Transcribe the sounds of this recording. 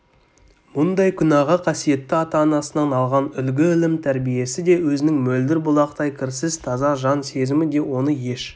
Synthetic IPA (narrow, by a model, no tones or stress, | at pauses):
mʊnd̪ɑjkʲʰʏnɑʁəqʰɑsije̞t̪ːɪɑt̪ɑːnɑsənɑnɑlˠʁɑnʏlɡʲɪɪlɪmt̪ʰæɾbije̞sɪd̪e̞wɵzɪnɪŋmɵld̪ɪɾbʊlˠɑqt̪ɑjkʲʰɪɾsɪzt̪ʰɑzɑʒɑnse̞zɪmɪd̪e̞wo̞nəje̞ʃ